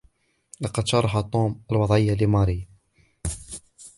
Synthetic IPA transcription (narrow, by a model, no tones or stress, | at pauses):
lɑqɑd̪ʃɑɾˤɑħat̪ˤːuːmʔalwɑd̪ˤʕɪjːalɪmɑːɾi